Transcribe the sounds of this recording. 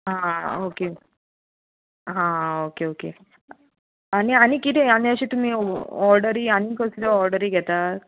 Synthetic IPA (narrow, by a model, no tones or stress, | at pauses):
ɦãoke | ɦãokeokḛ | añiaɽ̃ikit̪ɛjanĩəɕiːt̪um̤iɔɾɖəɾiːañikəsud̪ɔɔɾɖəɾiɡʱɛt̪aɾ